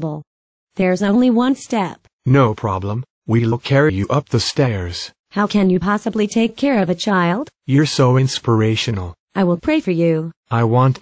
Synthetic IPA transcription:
bl̩ˠ | ðə˞zõʊ̃nliwʌ̃nstɛp̚ | noʊpʰɹ̥ɑ̰blə̃m | wiləlˠkʰɛɹijɨʔʌp̚ðəstɛɹz̥ | haʊkʰɨ̃njɨpʰɑsəblitʰeɪkʰɛɹʌvɨt͡ʃʰaɪlˠd̥jə˞soʊɪ̃nspə˞eɪʃɨnl̩ˠ | aɪwɪlˠpʰɹ̥eɪfə˞jʉaɪwɑ̃nt

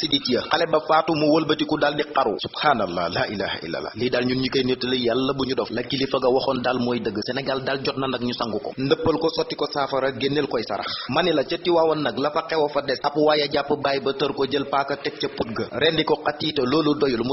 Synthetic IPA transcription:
siditijɐqɐlɛbɐfaːtumuwəlbɐtikudaldiqɐɾṵsubhaːnɐlːa̰ːlaʔilaːhʔḭlːɐ̰lːa̰liːdalɲuɲikəjnətːələjalːɐbuɲudɔflɐkːilifɐɡɐwɔxɔndalmɔːjdəɡːəsɛnɐɡaldalɟɔt̚nɐnɐk̚ɲusaŋɡukɔ̰ndəpːɐlkɔsɔtːikɔsaːfɐɾɐɡenːelkɔjsɐ̰ɾɐ̰xmɐnilɐt͡ʃətːiwaːwɐnɐɡlɐfɐqɛwɐfɐdɛsɐpwaːjɐɟapːəbaːjbɐtəɾkɔɟəlpaːkɐtɛk̚cɐput̚ɡɐɾɛndikɔqatːiːtɐloːludɔjɐlmu

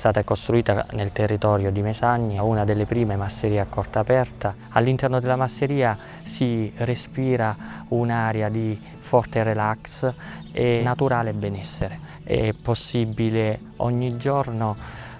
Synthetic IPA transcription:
st̪aːt̪akost̪ɾuiːt̪anelt̪erːit̪ɔːɾjod̪imezaɲːaunad̪elːepɾiːmemasːeɾiːakːɔrt̪apɛrt̪a | alːint̪ɛrnod̪elːamasːeɾiːa | sirespiːɾaunaɾjad̪i | fɔrt̪erelaksɛnat̪uɾaːlebɛnɛsːeɾe | ɛ̰ɛpːosːibile | ɔ̰ɲːid͡ʒɔrno

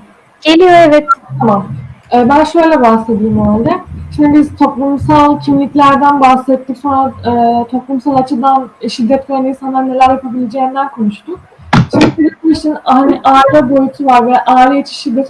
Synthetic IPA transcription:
ɟ̥elʲijo̞ɛvɛt̪t̪ʰamamɛːbænʃø̞jlʲɛbahse̞d̪ijimalʲd̪ɛt͡ʃʰimibiz̥t̪ʰo̞plˠumsalˠcʰimlʲiclʲæɾd̪ænbahsɛt̪ːicsonɾaɯːt̪ʰo̞plˠumsalˠat͡ʃʰɯd̪anʃid̪ːɛt̪̚kʰaaninsanaɾnːe̞lʲæɾjapabilʲed͡ʒeːind̪ænkʰo̞nuʃt̪ʊk̚ | t͡ʃʰimd̪iʃid̪iiʃt̪inhaniʔaːd̪abojut̪ʰuvaɾvɛʔaːlʲiet͡ʃʰi̥ʃid̪ːɛt̪

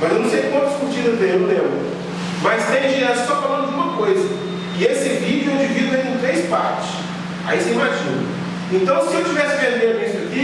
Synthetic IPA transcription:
mɐzenɐ̃w̃sejkwɐ̃t̪ɐskut͡ʃiɾɐ̃dẽʊ̃lẽb | mɐst̪ẽʒiassɔfalɐ̃ndʊd͡ʒũmɐkojzɐ | ɪesɪvid͡ʒuĩd͡ʒivid̪ʊẽnũt̪ɾejspaɾt͡ʃɪ̥s | a̰iseĩmaʒĩnʊ̰ | ẽnt̪ɐ̃w̃sɪewt͡ʃivɛsɪvẽɾd̪ẽd̪ʊisʊɐki

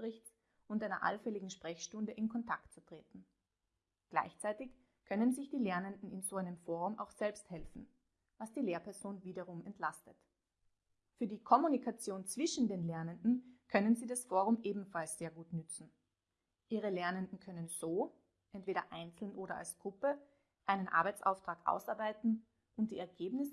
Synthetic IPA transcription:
ʁɪçt͡s | ʊntʔaɪnɐ̰ʔa̰lfɛlɪɡŋ̩ʃpʁ̥ɛçʃtʊndəʔɪnkʰɔntʰaktt͡sutʁ̥eːtn̩ | ɡ̥la̰ɪçt͡saɪtɪç | kʰœnənzɪçd̥iːlɛɐnəndn̩ɪnzoːʔaɪnəmfoːɐʁʊmʔa̰ʊxz̥ɛlpsthɛlfn̩ | vasd̥iːleːɐpʰɛɐzoːnviːdɐʁ̞ʊmɛntʰlastət | fyːɐdiːkʰɔmunikʰat͡sjoːnt͡sv̥ɪʃn̩deːnlɛɐnəndn̩kʰœnənziːdasfoːʁ̞ʊmʔeːbm̩falsz̥eːɐɡuːtnʏt͡sn̩ | ʔiːʁəlɛɐnəndn̩kʰœnənz̥oː | ʔɛntv̥eːɾɐ̰ʔaɪnt͡sl̩nʔoːɾɐa̰lsɡ̥ʁʊpə | ʔaɪnənʔa̰ɐbaɪt͡sʔa̰ʊftʁ̥aːkʔa̰ʊsʔaɐbaɪtn̩ | ʔʊnt̚d̥iːɛɐɡeːbnɪs

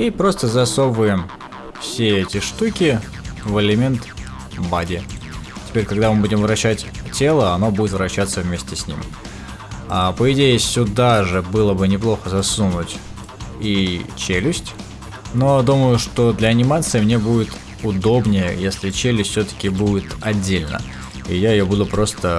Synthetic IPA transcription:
ipɾo̞st̪əzɐso̞bəjɪm | fsʲeɛtʲɪʂt̪ukʲɪ | vɨlʲɪmʲe̞nt̪ | badʲɪ | tʲɪ̥pʲeɾʲkɐɡd̪amɨbudʲɪmvɾɐɕːætʲtʲe̞lˠəɐno̞budʲɪt̪vɾɐɕːat̪səvʲmʲesʲtʲɪsʲnʲḭm | apəɪdʲejɪsʲʊd̪aʐɨbɨlˠəbɨnʲɪplˠo̞xəzɐsunʊtʲ | it͡ɕelʲɪsʲtʲ | no̞d̪uməjʊʂt̪o̞d̪lʲəɐnʲɪmat̪sɨɪmnʲe̞budʲɪt̪ | ʊd̪o̞bnʲɪjə̰jesʲlʲɪt͡ɕelʲɪsʲtʲfsʲɵt̪ə̥kʲɪbudʲɪt̪ɐdʲːelʲnə̰ | ijaɪjobud̪ʊpɾo̞st̪ə

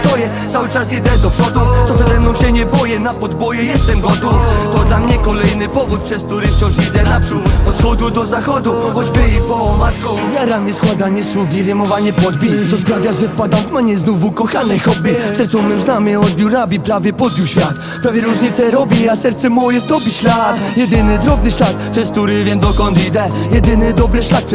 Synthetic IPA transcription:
t̪ɔjɛsawɘt͡ʂasid̪ɛd̪ɔpʂɔd̪ut̪sɔpʂɛzɛmnɔ̃w̃ɕɛɲɛbɔjɛnapɔd̪bɔjɛjɛst̪ɛmɡɔt̪ɔt̪ɔd̪lamɲɛkɔlɛjnɘpɔvut̪̚pʂɛsk̚t̪uɾɪft͡ɕɔ̃w̃ʂid̪ɛnapʂut̪ɔt̪xɔd̪ud̪ɔzaxɔd̪uxɔd͡ʑbɨipɔmaɡɔjaɾamɲʲɛskwad̪aɲɛsuvʲiɾɛmɔvaɲɛpɔd̪bʲit̪ɔspɾavʲjaʐɛfpad̪awvmaɲɛznuvukɔxanɛxɔbʲɛsɛɾt̪sɔ̃mnɛmznamɛɔd̪̚bʲjiwɾabʲipɾavʲjɛpɔd̪̚bʲiwɕfʲjat̪ | pɾavʲjɛɾuʐɲit̪sɛɾɔbʲjiasɛɾt̪sɛmɔjɛst̪ɔbʲiɕlat̪jɛd̪ɘnɘd̪ɾɔbnɘɕlat̪̚pʂɛsk̚t̪uɾɪvʲjɛmd̪ɔkɔnt̪id̪ɛjɛd̪ɘnɘd̪ɔbɾɘɕlat̪̚

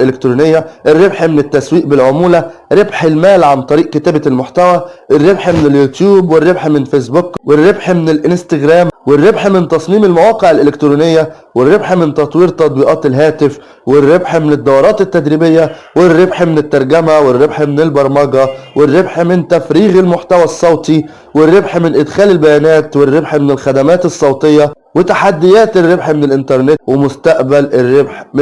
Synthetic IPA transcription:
ʔelɪkt̪ɾuːnejːæʔɪrːebħmenɪt̪ːæswiːʔbɪlʕomuːlæɾebħelmæːlʕant̪ˤɑɾiːʔket̪æːbælmʊħt̪æwæʔɪrːebħmɪneljuːt̪juːbwɪrːebħmɪnfeːs̬bʊkwɪrːebħmɪnɪlʔɪnst̪ɪɡɾæːmwɪrːebħmɪnt̪ɑsˤmiːmelmæwɑːqeʕɪlʔelekt̪ɾuːnɪjːæ | wɪrːebħmɪnt̪ɑt̪ˤwiːɾt̪ɑt̪̚ˤbiːʔɑːt̪elɦæːt̪ɪf | wɪrːebħmɪnɪd̪ːɑwɑɾˤɑːt̪ɪt̪ːæd̪ɾibɪjːæwɪrːebħmɪnɪt̪ːɑɾˤɡæmæwɪrːebħmɪnɪlbɑɾˤmɑɡɑwɪrːebħmɪnt̪æfɾiːɣelmoħt̪æwæsˤːɑwt̪ˤi | wɪrːebħmɪnʔɪd̪xæːlɪlbæjæːnæːt̪wɪrːebħmɪnɪlxæd̪æmæːt̪esˤːɑwt̪ˤejːɑ | wɪt̪aħad̪ːɪjæːt̪ɪrːebħmɪnɪlʔɪnt̪ɑɾˤnet̪wɪmʊst̪æʔbælɪrːebħm

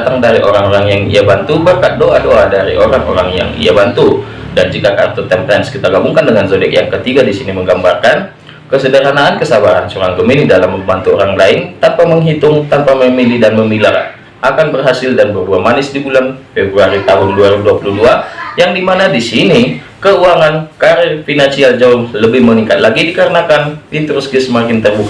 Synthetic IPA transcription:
t̪aŋdaɾiʔoɾaŋoɾaŋjaŋḭabant̪ubəkat̪̚doʔadoʔadaɾḭʔoɾaŋʔo̰ɾaŋja̰ŋḭabant̪u | dand͡ʒikakart̪ut̪ɛmpɛnskit̪aɡabuŋkandəŋanzodɛkjaŋkət̪iɡadisiniməŋɡambarkan | kəsədəɾanaːnkəsabaɾansoɾaŋɡəminidalamːəbant̪uoɾaŋlaɪnt̪anpaməŋɦit̪ʊŋt̪anpaməmilihdanməmilar | ʔakanbərɦasɪldanbərbuamanɪsdibulanfɛbɾuaɾit̪aɦʊnduaɾiuduapuluduajaŋdimanadisini | kəuaŋankaɾɛrfinansiald͡ʒaʊhləbɪhməniŋkat̪̚laɡidikəɾənakanpint̪ɾɔskɪsmakɪnt̪ərbuk̪̚

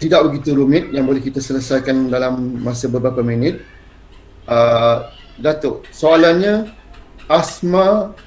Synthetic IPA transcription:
t̪idaʔ̚bəɡit̪uɾumɪt̪̚jaŋbolɛhkit̪asələsajkandalamːãsabəbɾapaminɪt̪̚ | ʔə | dat̪oʔsoalanɲã | ʔasma

